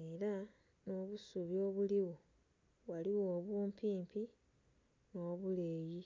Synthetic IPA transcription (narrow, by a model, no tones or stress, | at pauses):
eɾa | no̞ːβusuβjo̞ːβuliwo | waliwoːβuːmpiːmpi | no̞ːβule̞ːji